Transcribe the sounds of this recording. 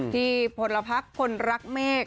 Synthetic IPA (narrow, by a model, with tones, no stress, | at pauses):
t̪ʰiː˧˥˩pʰo˨˩˦nla˧pʰa˦˥kʰːo˧nɾa˦˥k̚mɛː˥˩k̚